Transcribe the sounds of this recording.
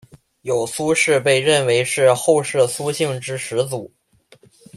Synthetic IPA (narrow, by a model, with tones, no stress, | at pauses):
jo˨˩ʊsu˥ʂɻ̩˥˧pe˥˧ɪɻə˥˩nwe˧˥ɪʂɻ̩˥˧xo˥˧ʊʂɻ̩˥˩su˥ɕi˥˩ŋʈ͡ʂɻ̩˥ʂɻ̩˧˥t͡su˨˩˦